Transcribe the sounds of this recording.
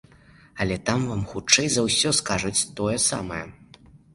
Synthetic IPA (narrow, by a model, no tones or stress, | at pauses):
ɐlʲɛt̪amvamxut͡ʂɛjzɐwsʲɔskaʐɐt͡sʲt̪ɔjɛsa̰mɐjɛ